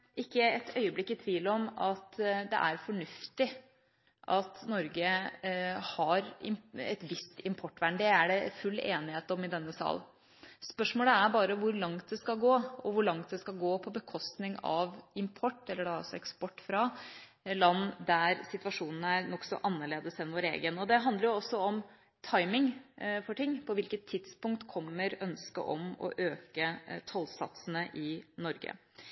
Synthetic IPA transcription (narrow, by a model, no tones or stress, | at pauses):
ɪkːəɛt̪ʰœʏəblɪkːɪt̪ʰʋiːlɔmɑt̪d̪ɛ̰ʔæɾfɔɳʉft̪ɪ | ʔɑt̪nɔɾɡə | hɑɾɪ̰mɛ̰t̪ʋɪst̪ɪmpʰɔʈːʋæɳɖɪɛæɖɛfʉlːḛːnɪheːt̪ɔmɪd̪ɛnːəsɑ̰ːln | spœʂmoːləæɾbɑːɾəʋʊɾlɑŋt̪̚d̪ɛskɑɡoːɔʋʊɭɑŋt̪̚d̪ɛskɑlɡoːpʰɔbəkʰɔst̪nɪŋɑ̰ʋɪmpʰɔʈːɛlːəɖɑɔ̰sːɔɛkspɔʈːfɾɑ | lɑnːd̪æɾsɪt̪ʋɑʂuːnənəæɾnɔksɔ̰ʔɑnːəɭeːd̪əsɛnʋoːɾḛːɡənɔd̪ɛɦɑnd̪ləɾjʊɔsːɔɔm | t̪ʰɑɪmɪŋfɔʈʰɪŋːpʰɔʋɪlkət̪ʰːɪd̪̥spʊŋkt̪kʰɔmːəɾœnskə̰ʔɔ̰mɔ̰ʔøːkət̪ʰɔlsɑ̰t̪sənəʔɪnɔɾɡə̰